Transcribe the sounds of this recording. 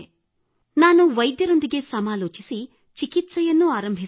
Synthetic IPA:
naːnuʋɐjd̪jɐɾo̞nd̪iɡe̞sɐmaːloːt͡ʃisi | t͡ʃikit̪sɐjɐnːuaːɾɐmbʱi

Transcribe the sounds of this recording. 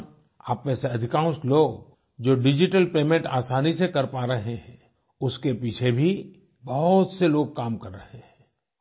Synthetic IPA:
a̰ːpmeseɐd̪ʱɪkãːsloːɡ | d͡ʒoːɖɪd͡ʒɪʈəlpeːmẽɳʈaːsaːnisekɐɾpaːɾɐɦeɦɛ̃ː | ʊskepiːt͡ʃʰebʱi | bɐɦʊt̪seloːɡ̚kaːmkɐɾːɐɦeɦɛ̃ː

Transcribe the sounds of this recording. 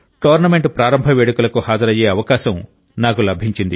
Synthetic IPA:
ʈɐːʋɐɾnɐme̞ɳʈpɾaːɾɐmbʱɐʋeːɽukulɐkuhaːd͡ʒɐɾɐjeːɐʋɐkaːʃɐm | naːkulɐbʱiɲt͡ʃind̪i

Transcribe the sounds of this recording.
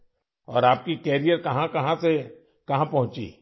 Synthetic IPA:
ɔːɾaːp̚kikɛːɾijəɾkɐɦãkɐɦãse | kɐɦãpɐɦʊ̃t͡ʃḭː

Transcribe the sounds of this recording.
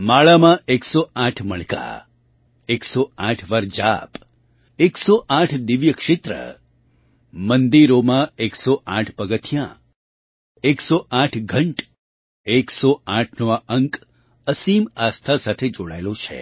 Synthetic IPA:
maɭamãʔeksɔãʈʰməɭka̰ | eksɔãʈʰʋəɾd͡ʒap | eksɔʔãʈʰd̪iʋjəkʂɪt̪ɾə̰ | mənd̪iɾomãeksɔʔã̰ʈʰpəɡət̪ʰjã | eksɔʔãʈʰɡʱəɳʈ | eksɔãʈʰnoaəŋk | əsimast̪ʰasat̪ʰed͡ʒoɽajlõt͡ʃʰḛ

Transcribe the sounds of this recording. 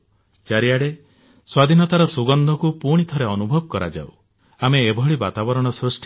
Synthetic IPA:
t͡ʃaɾiaɽe | swad̪ʱinɔt̪aɾɔsuɡɔnd̪ʱɔkupuɽ̃it̪ʰɔɾeɔnubʱɔb̚kɔɾa̰d͡ʒa̰w | ameːbʱɔɭibat̪abɔɾɔɽ̃ɔsɾusʈ

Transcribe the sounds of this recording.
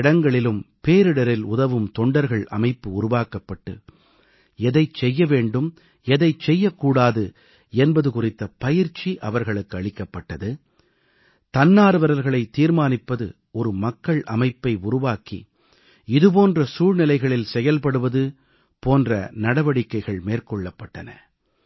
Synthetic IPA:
ɽɐŋɡɐɭɪlɯmpeːɾɯɽɐɾɪlʊðɐʋɯmt̪ɔɳɖɐɾɣɐɭɐ̰mɐɪpːɯʊɾʊʋaːkɐpːɐʈːɯ | ɛðɐɪt͡ʃɛjːɐʋeːɳɖɯm | ɛðɐɪt͡ʃːɛjːɐkːuːɽaːðɯ | ɛnbɐðɯkʊrɪt̪ːɐpɐjɪɾt͡ʃːiʔɐʋɐɾɣɐɭɯkːɯɐɭɪkːɐpːɐʈːɐðɯ | t̪ɐnːaːɾɯʋɐɾɐɾɣɐɭɐɪt̪ːiːɾmaːnɪpːɐðɯ̰ | ɔɾɯmɐkːɐɭʔɐ̰mɐɪpːɐɪʊɾʊʋaːkḭ | ɪðɯp̬oːndrɐsuːɻnɪlɐɪɣɐɭɪlsɛjɐlpɐɽɯʋɐðɯ | poːndrɐ̰nɐɽɐʋɐɽɪkːɐɪɣɐɭmeːrkɔɭːɐpːɐʈːɐnɐ̰

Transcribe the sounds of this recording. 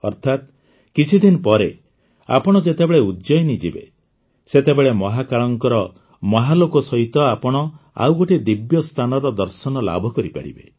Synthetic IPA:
ɔɾt̪ʰat̪ | kit͡ʃʰid̪inɔpɔɾe | a̰pɔɽ̃ɔd͡ʒet̪ebeɭeud̪d͡ʒɔjnid͡ʒibḛ | set̪ebeɭemɔɦakaɭɔŋkɔɾɔ | mɔɦalokɔsɔɦit̪ɔapɔɽ̃ɔa̰wɡoʈid̪ibjɔst̪ʰanɔɾɔd̪ɔɾsɔnɔla̰bʱɔkɔɾipa̰ɾḭbḛ

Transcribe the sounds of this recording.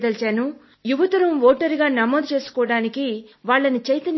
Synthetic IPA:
d̪ɐlt͡ʃaːnu | juʋɐt̪ɐɾɐmʋoːʈɐɾiɡaːnɐmoːd̪ut͡ʃe̞ːsu̥kɔːɐɽaːnikiʋaːɭːɐnit͡ʃɐjt̪ɐn

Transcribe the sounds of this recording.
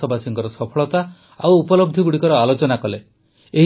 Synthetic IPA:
ɔbasiŋkɔɾɔsɔpʰɔɭɔt̪a | a̰wupɔlɔb̚d̪ʱiɡuɽikɔɾɔalot͡ʃɔnakɔle | eɦ

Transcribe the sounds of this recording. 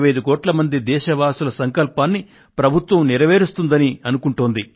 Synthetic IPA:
ʋɐjd̪ukoːʈlɐmɐnd̪id̪ɛːʃɐʋaːsulɐsɐŋkɐlpaːnːi | pɾɐbʱut̪ʋɐmniɾɐʋeːɾist̪und̪ɐniɐnukuɳʈuːnd̪i

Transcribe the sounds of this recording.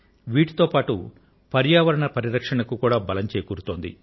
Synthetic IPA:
ʋiːʈu̥t̪o̞ːpaːʈṵ | pɐɾjaːʋɐɾɐɳɐpɐɾiɾɐkʂɐɳɐkukuːɽaːbɐlɐɲt͡ʃeːjkuːɾut̪o̞ːnd̪ḭ

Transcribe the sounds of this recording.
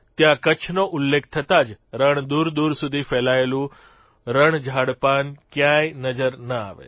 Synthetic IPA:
t̪jãkət͡ʃʰnoʔʊlːekʰt̪ʰət̪ad͡ʒɾəɳ̃d̪uɾd̪uɾsud̪ʱifɛlaelũ | ɾəɳ̃d͡ʒʱaɽpankjãjnəd͡ʒəɾnəa̰ʋḛ

